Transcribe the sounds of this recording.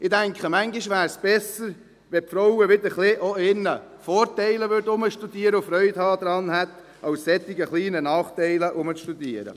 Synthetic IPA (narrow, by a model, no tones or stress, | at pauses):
ɪd̥æŋkχəmæŋɡɪʃʋæːɾsb̥ɛsəɾ | ʋɛpfɾɔwəʋɪd̪əɾχlɪʔoɪnːə | fɔːɾtɛɪləʋʏɾdʊməʃtud̥̪iːəɾəʊfɾœʏd̥hɑːd̥̪ɾɑːnhæt̪ | ʔɑwsːɛt̪ːɪɡəχliːnənɑːχt̪ɛɪləʔʊmət͡sʃtud̥̪iːəɾə̰